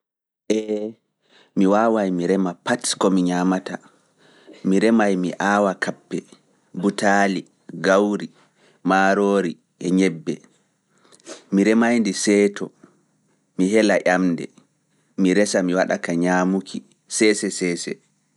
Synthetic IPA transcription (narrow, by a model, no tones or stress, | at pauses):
ʔɛ | miwaːwajmiɾɛmapatkɔmiɲamata | miɾɛmajmiʔaːwakapːɛ | butaːli | ɡawɾi | maːɾoːɾi | ʔɛɲɛbːɛ | miɾɛmajndisɛːtɔ | miɦɛlaʔamdɛ̰ | miɾɛsamiwaɗa̰kaɲamukʰi | sɛsɛsɛːsɛ